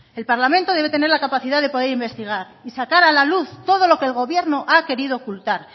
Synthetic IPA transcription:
e̞lpaɾlamẽnt̪o̞ðee̞t̪ene̞ɾlakapaθiðaðe̞po̞ð̞e̞ɾimbe̞st̪iɣ̞aɾ | isakaɾalaluθt̪o̞ð̞o̞lo̞keːlɣo̞βje̞ɾnoʔake̞ɾiðo̞ːkult̪aɾ

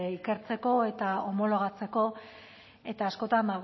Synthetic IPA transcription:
ike̞ɾt͡se̞ko̞e̞t̪aomo̞lo̞ɣ̞at͡se̞ko̞ | e̞t̪aːsko̞t̪and̪a

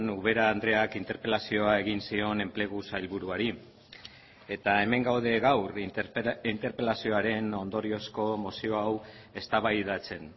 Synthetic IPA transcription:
nuβe̞ɾaːnd̪ɾe̞akint̪e̞ɾpe̞lasio̞ae̞ɣ̞insio̞ne̞mple̞ɣ̞usajlβuɾuaɾi | e̞t̪ae̞me̞ŋɡawð̞e̞ɣawr | int̪e̞ɾpe̞lasio̞aɾe̞no̞nd̪o̞ɾio̞sko̞mo̞sio̞aw | e̞st̪aβajðat͡se̞n

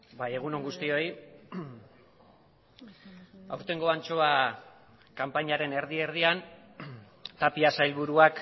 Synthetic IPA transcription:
baje̞ɣ̞uno̞ŋɡust̪io̞j | awɾt̪e̞ŋɡo̞ant͡ʃo̞a | kampaɲaɾe̞ne̞ɾð̞ie̞ɾð̞ian | t̪apiasajlβuɾuak

